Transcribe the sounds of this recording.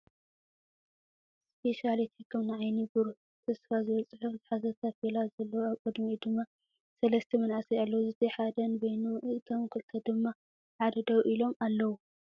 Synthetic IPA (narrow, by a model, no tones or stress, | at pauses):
spʰe̞ʃalet̪ʰikʰɨmnɨʕajnibɨɾu | t̪ʰɐsfazɨβɐt͡sʼɨħuzɨħazɐt̪ʰafelazɐlːɐwuaβkʼɨd̪mid̪ɨmːa | sɐlɐst̪ʰɐmɐnaʕsijalːɐwuzɨt̪ʰiħad̪ɐnbojnuɨt̪ʰomkʰɨlt̪ʰɐd̪ɨmːa | ħad̪ɐd̪ɐwuʔilo̞malːɐwu